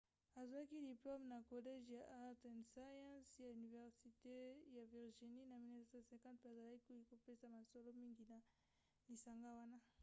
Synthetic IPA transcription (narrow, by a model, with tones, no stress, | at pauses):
a˨za˨a˦ki˦di˨plo˦mna˨ko˨lɛ˦ʒja˨ʔa˦ʁtɛ˨nsa˦jã˦nsja˨yni˨vɛ˨ʁsi˨te˦ja˨vi˨ʁʒi˨ni˦na˨mi˨nɛ˦sa˨sɛ̃˨kã˦t̚pa˨za˨la˦ki˦i˦ko˨pe˦sa˨ma˨so˦lo˦mi˦ŋɡi˨na˨ | li˨sa˨ŋɡa˦wa˦na˦